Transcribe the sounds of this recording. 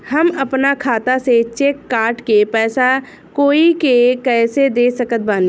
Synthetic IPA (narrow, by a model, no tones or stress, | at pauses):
ɦɐmɐpnakʰaːt̪aset͡ʃeːkːaːɾʈkepɛːsa | koːikekɛːsed̪eːsəkət̪̚bãːn